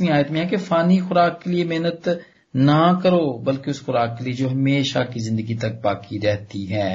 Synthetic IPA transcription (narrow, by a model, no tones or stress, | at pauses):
mĩaːjət̪mẽɦɛ̃kefaːnixʊɾaːkːeliemeɦnət̪ | nɐkəɾoːbɐlkeʊsxʊɾaːkːelied͡ʒoːɦɐmeːʃakizɪ̃nd̪əɡit̪ɐk̚baːkiɾɛɦt̪iɦɛː